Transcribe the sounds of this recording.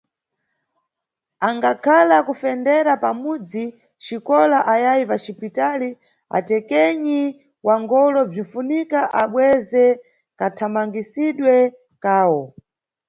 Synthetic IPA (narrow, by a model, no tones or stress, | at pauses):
aŋɡakʰalakufɛndɛɾapamud͡zi | t͡ʃikɔlaʔajajipat͡ʃipitali | a̰tɛkɛɲi | waŋɡɔlɔb͡ʐinfunikaʔaɓwɛzɛ | katʰamaŋɡisiɗwɛ | kaːwɔ